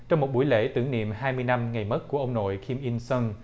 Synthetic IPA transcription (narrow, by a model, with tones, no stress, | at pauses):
t͡ɕɔ˧wŋ͡mmo˨˩t̚ɓu˧˩˦jlḛ˧˥t̪ɨ˧˩əŋnḭ˧˨əmhaː˧jmɨ˧əjna˧mŋa˨˩jmə˦˥t̚ku˧˩əʔə˧wŋ͡mno̰˧˨jkʰi˧mʔi˧nsə˧n